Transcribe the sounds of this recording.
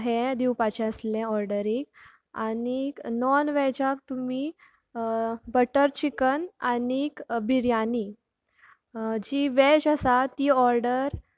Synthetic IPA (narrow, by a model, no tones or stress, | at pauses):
ɦed̪iwpat͡ɕɛ̃əslɛ̃ɔɾɖəɾik̚ | a̰niknɔnʋɛd͡ʑak̚t̪umi | bəʈəɾt͡ɕikənanikbiɾjani | d͡ʑiʋɛd͡ʑəsat̪iːɔɾɖəɾ